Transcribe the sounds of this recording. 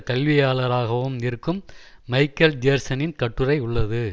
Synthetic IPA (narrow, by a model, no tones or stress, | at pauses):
kɐlʋɪjaːɭɐɾaːɣɐʋɯmnɪɾɯkːɯmːɐɪkːɐld͡ʒeːɾsɐnɪnkɐʈːɯrɐɪʊɭːɐðɯ